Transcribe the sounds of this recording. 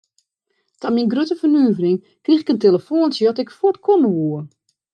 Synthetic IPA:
taminɡrøtəfənyːvərɪŋ | krixɪkənteləfoːnsjɔtɪkfot̚kʰonəʋuə

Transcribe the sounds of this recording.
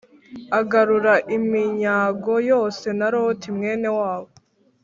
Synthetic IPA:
aɡaɾuɾaʔimiɲaːɡo̞jo̞ːse̞naɾotʰimŋe̞ːne̞waːwo

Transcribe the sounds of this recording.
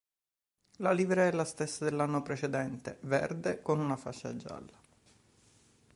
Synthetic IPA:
laliːvɾaɛlːast̪esːad̪elːanːopɾet͡ʃed̪ɛnt̪evɛ̰rd̪ekonunafat͡ʃːa̰d͡ʒa̰lːa

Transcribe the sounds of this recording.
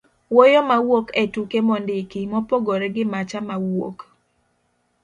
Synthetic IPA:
wojomawoketukemɔndɪkimɔpoɡoɾɛɡɪmat͡ʃamawo̰k

